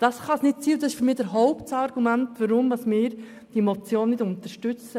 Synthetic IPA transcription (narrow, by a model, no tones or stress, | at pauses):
d̥ɑsχɑsnɪt̚t͡siːʊd̥ɑsɪʃfyɾmɪːd̥əɾɦɔʊptsɑɾɡ̥umæntʋaɾʊmdɑsmɪːɾ | d̥iɛmot͡sjoːnːɪdʊntəɾʃtʏt͡sə